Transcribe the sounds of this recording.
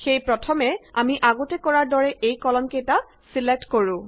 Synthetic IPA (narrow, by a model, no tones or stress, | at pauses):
xejpɹɔtʰɔmɛamiʔaɡotɛkɔɹaɹdɔɹɛʔejkɔlɔnkejta | silek̚tkoɹũ